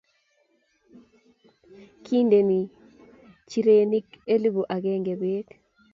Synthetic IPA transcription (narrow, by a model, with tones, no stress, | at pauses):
kʰi˦nde˨ni˨ | t͡ʃi˨ɾe˨ni˦ke˦li˦bo˨ʔa˨ɡe˦ŋɡe˨be˦e˦k